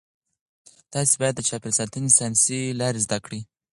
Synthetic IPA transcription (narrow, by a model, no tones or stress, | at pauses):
t̪ɑsibɑjad̪ːət͡ʃɑpɪlsɑt̪ənesɑnsilɑɾezd̪akɽi